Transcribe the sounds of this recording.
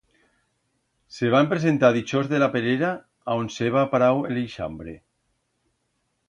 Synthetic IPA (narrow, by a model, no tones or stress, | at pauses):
seβ̞ampɾezent̪aðit͡ʃozðelapeɾeɾaː | onseβ̞apaɾawḛleʃa̰mbɾe